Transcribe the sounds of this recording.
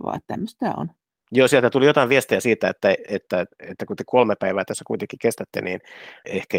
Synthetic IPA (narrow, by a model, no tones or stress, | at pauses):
ʋɑ̰ːet̪t̪æ̰mːøst̪æ̰ːo̰n | joːsiælt̪æt̪ulijot̪ɑiʋiest̪eæsiːt̪æet̪ːæet̪ːæet̪ːækut̪ekolmepæiʋæːt̪æsːækuit̪eŋkikest̪æt̪ːḛnḭːnehkæ